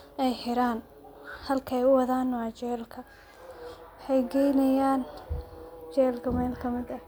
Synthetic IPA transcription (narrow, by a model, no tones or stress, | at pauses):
ʔɛjħɪɾaːn | hɐlkʰɐɛjʊwɐðaːnwɑt͡ʃɛːlkʰɐ | wħɛjɡɛjnɐjaːn | t͡ʃɛːlkʰɐmɛːlkʰɐmɪd̪ɐ